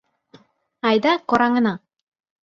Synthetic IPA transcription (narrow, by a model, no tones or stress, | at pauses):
ɑjd̪ɑqoɾɑŋɤ̆nɑ